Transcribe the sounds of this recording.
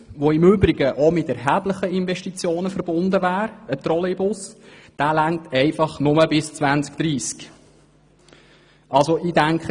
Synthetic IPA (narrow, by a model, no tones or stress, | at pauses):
ʋoɪmʏbɾɪɡəʔɔmɪt̪ɛɾɦæbləχəɪnvɛʃtit͡sjoːnəfəɾb̥ʊnd̪əvæːɾət̪ɾɔlebʊsd̥æːlæŋtʰɛɪfɑχnʊməbɪst͡svænt͡skd̥ɾiːsk | ʔɑlsoidæŋkχ